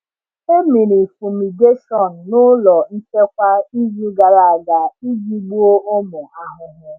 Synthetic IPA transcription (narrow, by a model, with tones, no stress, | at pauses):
e˦mi˨ɾi˨fu˨mi˨ɡe˦ʃɔ˨n̩˨nʊ˦lɔ˨n̩˦t͡ʃe˦kʷa˦i˦zu˦ɡa˨ɾa˦˨a˨ɡa˨i˦d͡ʒi˦ɡ͡bu˦o˦o˦mʊ˨ʔa˦ɦʊ˨ɦʊ˦